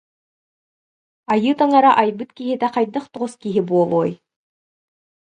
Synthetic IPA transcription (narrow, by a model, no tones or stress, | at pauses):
ɑjɯːt̪aŋɑɾaʔɑjbɯt̪kiɦit̪æqɑjd̪ɯχt̪uʁuskiɦibuɔlˠuːj